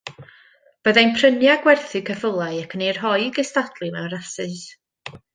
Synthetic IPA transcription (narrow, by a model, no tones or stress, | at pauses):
b̥əðajnpʰrənjaɡwɛrθɨkʰəfəlˠaɨakʰənejrɦɔjɡəstadlˠɨmɛwrasɨs